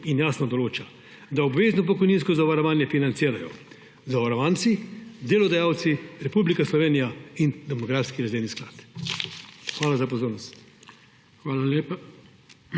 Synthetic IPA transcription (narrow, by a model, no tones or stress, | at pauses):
injaːsnɔd̪ɔloːt͡ʃa | d̪aɔbʋeːznɔp̬ɔkɔjninskɔzaʋaɾɔʋaːnjɛfinant̪siːɾajɔ̰ | zaʋaɾɔʋaːnsid̪eːlɔd̪ajaːwt̪siɾɛpublikaslɔʋeːnijaind̪ɛmɔɡɾaːfskiɾazeːnisklaːt̪ | xʋaːlazapɔzoːɾnɔst̪ | xʋaːlaleːpa